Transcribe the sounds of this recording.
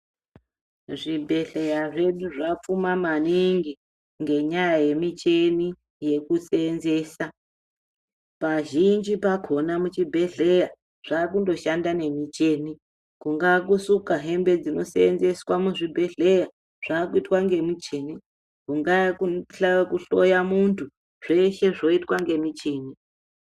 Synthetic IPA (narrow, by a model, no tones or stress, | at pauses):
ʐibʱe̞ɮe̞jaʐe̞ɗuʐafumamaniŋɡi | ŋɡe̞ɲajaje̞mit͡ʃe̞ni | je̞kuseːnze̞ːsa | paʒind͡ʒipakʰo̞namut͡ʃibʱe̞ɮe̞ja | ʐ̥akundo̞ʃandane̞mit͡ʃe̞ːni | kuŋɡak̬usukaɦe̞mbe̞d͡zino̞̰seenze̞swamuʐibʱe̞ɮe̞ja | ʐ̥akuitwaŋɡe̞mit͡ʃe̞ːni | kuŋɡakuɬakuɬo̞jamuntʰu | ʐ̥e̞ʃe̞ʐo̞itwaŋɡe̞mit͡ʃeːni